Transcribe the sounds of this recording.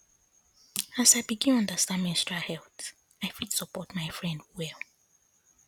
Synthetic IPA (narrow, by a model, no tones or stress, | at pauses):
asaɪbiɡĩnɔ̃ndastãnmɛ̃nstɹahɛlθ | aɪfidsɔpɔtmaɪfɹɛ̃ndwɛlˠ